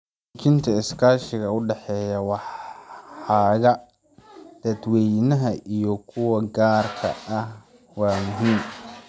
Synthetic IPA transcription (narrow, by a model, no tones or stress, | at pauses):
t͡ʃʰɪnt̪ʰɐɪskʰaːʃɪɣɐʊɖɛħɛːjɐwɑħ | ħɑːɣɐ | d̪̥ɐd̪wɛjnɐɦɐʔijɔkʰʊwɐɡaːrkʰɐ̰ʔɐh | wɑːmʊɦiːm